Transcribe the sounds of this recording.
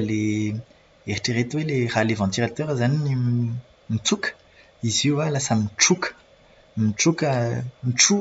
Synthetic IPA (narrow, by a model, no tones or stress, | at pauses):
le | eʁiʈ͡ʂəʁet̪weleʁalevɑ̃t̪iʁat̪œʁzanini | mit͡sukə̥ | iziwalasəmiʈ͡ʂukə̥ | miʈ͡ʂukəmiʈ͡ʂu